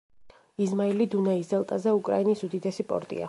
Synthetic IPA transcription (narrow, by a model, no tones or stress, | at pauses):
izmailid̪unaisd̪ɛlˠt̪ʼazɛukʼɾa̰inisud̪id̪ɛsipʼɔ̰ɾt̪ʼḭa̰